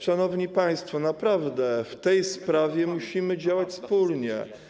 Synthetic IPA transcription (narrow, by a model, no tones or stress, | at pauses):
ʂanɔvɲipaj̃st̪fɔnapɾavd̪ɛft̪ɛjspɾavʲjɛmuɕimɘd͡ʑawat͡ɕspulɲɛ̰